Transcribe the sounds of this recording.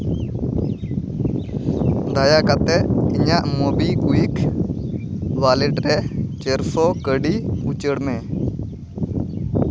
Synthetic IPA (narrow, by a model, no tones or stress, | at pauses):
d̪ajakat̪ɛiɲaʔmɔbikuik | walɛʈɾɛt͡ʃəɾpʰɔkəɖiut͡ʃəɽmɛ̃